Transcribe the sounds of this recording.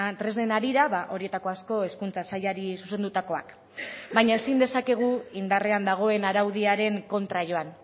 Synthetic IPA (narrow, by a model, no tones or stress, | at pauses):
t̪ɾezne̞naɾiɾaβaʔo̞ɾie̞t̪ako̞asko̞eskunt͡sasajaɾisuse̞nd̪ut̪ako̞a̰k | bajɲae̞sind̪e̞sake̞ɣ̞uind̪are̞and̪aɣ̞o̞e̞naɾawð̞iaɾe̞ŋko̞nt̪ɾaʝo̞an